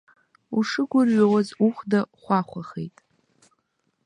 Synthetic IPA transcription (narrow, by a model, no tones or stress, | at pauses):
uʂɨɡʷʊrɥawazuχʷdaχʷaχʷaχḛjtʼ